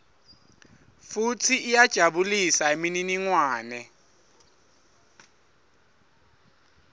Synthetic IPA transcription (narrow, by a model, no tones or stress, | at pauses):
futʰiʔːjad̥ʒ̥ʱaɓulisaemininiŋwaːnɛ